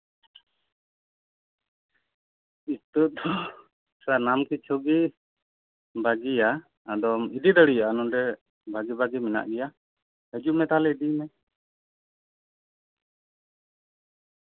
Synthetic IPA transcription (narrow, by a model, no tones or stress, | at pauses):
it̪ud̪ɔ | sanamkit͡ʃʰɔɡi | baɡija | ad̪ɔmid̪id̪əɽijaʔanɔɖɛ | baɡibaɡimɛna̰ʔɡɛja | həd͡ʒuʔmɛt̪alɛid̪imɛ